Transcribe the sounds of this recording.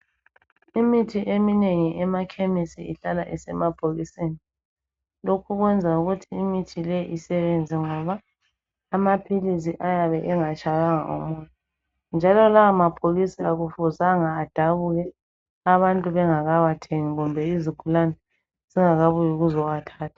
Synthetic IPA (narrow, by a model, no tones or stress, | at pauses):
imitʰiʔemineŋiʔɛmakʰemisiiɬalaʔisɛmab̥ʱoɣiseːni | lokʰuɣwɛnd͡zʱauɣutʰiːimitʰilɛʔisɛβɛnd͡zʱɛŋɔβaː | mapʰilisiʔajaβɛʔɛŋat͡ʃʼaɣaŋa̰ʔɔ̰mɔːjɔ | nd͡ʒʱalɔlaamab̥ʱoɣisiaɣufuzaŋaːd̥ʱaβuɣɛ | aβantʼuβɛŋaɣaβatʰeŋiɣumbʱɛiziɡ̥ʱulanɛ | z̥iŋaɣaβujiɣuzɔwatʰaːtʰḁ